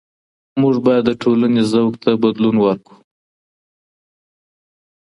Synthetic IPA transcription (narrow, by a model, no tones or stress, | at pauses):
muʐbɑjad̪ːəʈʰolanezawɡt̪ʰabad̪lunwəɾku̥